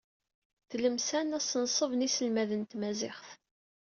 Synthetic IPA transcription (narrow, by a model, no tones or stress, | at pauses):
θləmsænæsənsˤəvnisəlmæðənt̪mæzɪχθ